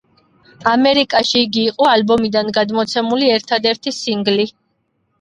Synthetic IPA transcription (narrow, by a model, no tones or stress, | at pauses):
amɛɾikʼaʃiːɡiːqʼɔalbɔmid̪anɡad̪mɔt̪sʰɛmuliɛɾt̪ʰad̪ɛɾt̪ʰisiŋɡli